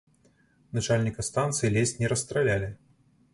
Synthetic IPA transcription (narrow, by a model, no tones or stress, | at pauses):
nat͡ʂalʲnʲikɐst̪ant̪sɨjilʲɛsʲnʲɛɾɐst̪ɾalʲalʲɪ